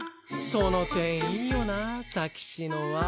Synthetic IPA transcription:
sonot̪ẽɰ̃ijonad͡zakʲi̥ɕinoβa

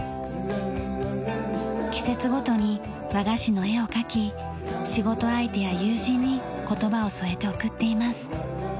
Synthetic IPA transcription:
kʲi̥se̞t͡sɨɡo̞t̪o̞ɲ̟i | βaɡaɕino̞e̞o̞kakʲi | ɕiɡo̞t̪o̞ait̪e̞jajɯːʑĩɲ̟ːi | ko̞t̪o̞bao̞so̞e̞t̪e̞okɯ̟t̪ːe̞imasɨ̥

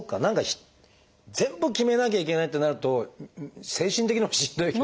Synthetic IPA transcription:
okːanãŋkaçi̥ | d͡zẽ̞mbɯ̟kʲime̞nak̬ʲaikʲe̞nait̪ːe̞naɾɯ̟t̪o̞ | sẽ̞ːɕĩnt̪e̞kʲiɲiβaɕĩnd̪o̞i

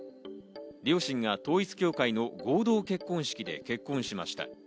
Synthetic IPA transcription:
ɾʲo̞ːɕĩŋɡat̪o̞ːit͡sɨ̥kʲo̞ːkaino̞ɡo̞ːd̪o̞ːke̞kːõ̞ɰ̃ɕi̥kʲid̪e̞̰ke̞kːõ̞ɰ̃ɕimaɕi̥t̪a̰

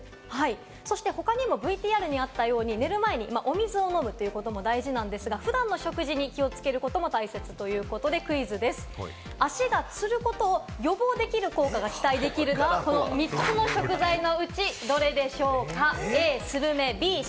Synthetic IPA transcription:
hai | so̞ɕi̥t̪e̞ho̞kaɲ̟imo̞bɯ̟it̪ʲiːaɾɯ̟ɲ̟iat̪ːajo̞ːɲ̟ine̞ɾɯ̟mae̞ɲ̟imaʔo̞mʲizɨo̞no̞mɯ̟t̪ːejɯ̟kot̪o̞mo̞d̪aiʑinãnd̪e̞sɨɡaɸɯ̟d̪ãnːo̞ɕo̞kɯ̟ʑiɲ̟ikʲio̞t͡sɨ̥ke̞ɾɯ̟ko̞t̪o̞mo̞t̪aise̞t͡sɨ̥t̪o̞jɯ̟ːko̞t̪o̞d̪e̞kɯ̟izɨd̪e̞sɨ̥ | aɕiɡat͡sɨɾɯ̟ko̞t̪o̞ːjo̞bo̞ːd̪e̞kʲiɾɯ̟ko̞ːkaɡakʲi̥t̪aid̪e̞kʲiɾɯ̟noko̞nomʲit͡sɨno̞ɕo̞kɯ̟zaino̞ɯ̟t͡ɕid̪o̞ɾe̞d̪e̞ɕo̞ːkaeːsɨɾɯ̟me̞bʲiː

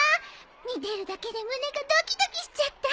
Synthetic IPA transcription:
a | ɲ̟id̪e̞ɾɯ̟d̪ake̞d̪e̞mɯneɡad̪okʲi̥d̪okʲiɕi̥t͡sɨat̪ːa

